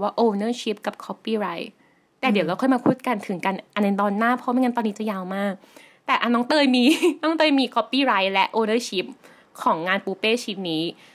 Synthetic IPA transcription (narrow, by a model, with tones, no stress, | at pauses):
waː˥˩ʔoː˧nɤː˥˩t͡ɕʰi˦˥p̚ka˨˩p̚kʰɔ˦˥pːiː˥˩ɾa˦˥j | t̪ɛː˨˩di˨˩˦wɾa˧kʰːjmaː˧pʰuː˥˩t̪̚ka˧nt̪ʰɯ˩˦ŋka˧nʔa˧nːa˧t̪ɔː˧nːaː˥˩pʰːŋa˧˥nɔ˧nːiː˦t͡ɕa˨˩jaː˧wmaː˥˩k̚ | t̪ɛː˨˩ʔa˧nɔː˦˥ŋt̪ɤː˧jmiː˧nɔː˦˥ŋt̪ɤː˧jmiː˧kʰɔ˦˥pːiː˥˩ɾa˦˥jlɛ˦˥ʔʔoː˧nɤː˥˩t͡ɕʰi˦˥p̚ | kʰɔː˩˦ŋŋaː˧npuː˧peː˥˩t͡ɕʰi˦˥p̚niː˦˥